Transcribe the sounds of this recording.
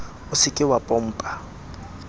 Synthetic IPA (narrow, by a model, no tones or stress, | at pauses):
ʊsɪkʼɪwapʼɔm̩ːpʼa